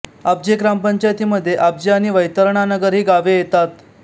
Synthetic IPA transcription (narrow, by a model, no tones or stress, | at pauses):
ab̚d͡ʑekɾampəɲt͡ɕajt̪iːməd̪ʱːjeʔab̚d͡ʑeañiʋəjt̪əɾɳ̃anəɡəɾɦiːɡaʋejet̪at̪